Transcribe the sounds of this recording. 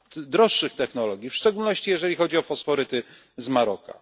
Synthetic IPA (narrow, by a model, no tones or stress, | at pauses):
d̪ɾɔʂːɘxt̪ɛxnɔlɔɡʲjifʂt͡ʂɛɡulnɔɕt͡ɕijɛʐɛlʲixɔd͡ʑiɔfɔsfɔɾɘt̪ɘ | zmaɾɔka̰